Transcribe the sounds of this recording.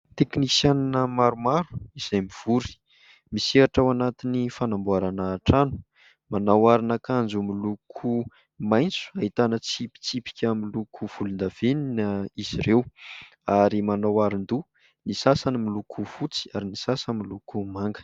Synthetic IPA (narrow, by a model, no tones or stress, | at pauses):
t̪ekniki̥sjananəmaɾumaɾu̥iz̥ajmiv̥uɾi̥ | miseaʈ͡ʂawanat̪inifanambuaɾanaːʈ͡ʂanu̥ | manawaɾinakand͡zumilukʰu | majnt͡su̥aɦit̪anət͡sipi̥t͡sipi̥kʲamilukʰuv̥ulund̪av̥eninəiz̥iɾew | aɾimanawaɾind̪u | nisasanimilukʰufut͡si̥aɾinisasəmilukumaŋɡə̥